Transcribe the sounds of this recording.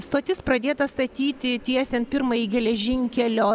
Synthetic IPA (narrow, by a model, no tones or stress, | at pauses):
st̪oːt̪ʲɪspɾɐd̪ʲeːt̪ɐst̪ɐt̪ʲiːt̪ʲɪt̪ʲiɛst̪ʲɛnpʲɪɾmɐjiɡʲɛlʲɛʒʲɪŋʲkʲɛlʲoː